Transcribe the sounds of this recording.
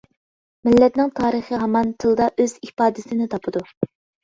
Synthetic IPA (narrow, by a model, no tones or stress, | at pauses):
mɪlːɛt̪nɪŋt̪ʰɑːɾəχəɦɑmɑnt̪ʰɨlˠd̪ɑʔøzipɑːd̪ɪsɪnɪt̪ʰɑpʰɨd̪u